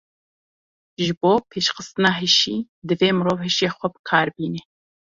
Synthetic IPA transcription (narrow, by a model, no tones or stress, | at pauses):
ʒɨboːpʰeːʃxəst̪ɨnɑːɦɨʃḭː | d̪ɨveːmɨɾoːvhɨʃeːxʷɐbɨ̥kʰɑːɾbiːne